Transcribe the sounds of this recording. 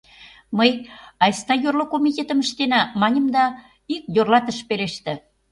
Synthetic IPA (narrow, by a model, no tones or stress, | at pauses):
məjɑjst̪ɑjorlokomit̪ʲet̪ə̆mə̆ʃt̪enæmɑnʲə̆md̪ɑ | ikjorlɑt̪ə̆ʃpeleʃt̪ĕ